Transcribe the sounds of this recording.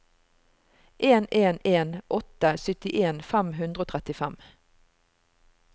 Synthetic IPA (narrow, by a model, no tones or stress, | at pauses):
ʔeːneːneːnʔɔt̪əsʏt̪ɪʔeːnfæmɦʉnd̪ʁəoːt̪ʰʁɛt̪ɪfæm